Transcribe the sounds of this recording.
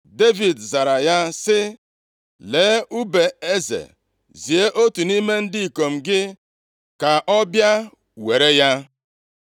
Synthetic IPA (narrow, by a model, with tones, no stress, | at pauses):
de˦vi˨dza˨ɾa˨ja˦sɪ˦ | leː˨˦ʔu˦be˨e˦zḛ˨ | zi˨e˦ʔo˦tu˨ni˦me˦n̩˦dɪ˦i˨ko˨m̩˨ɡɪ˦ | ka˨ʔɔ˦bja˦ | we˨ɾe˦ja˦